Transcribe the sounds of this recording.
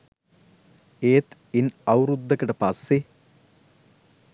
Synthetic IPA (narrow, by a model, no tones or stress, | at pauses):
eːt̪ | inɐwɾud̪ːɐkɐʈəpɐsːe